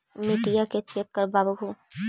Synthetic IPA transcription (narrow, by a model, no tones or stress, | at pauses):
mɪʈijaket͡ʃekːəɾbaːbuɦu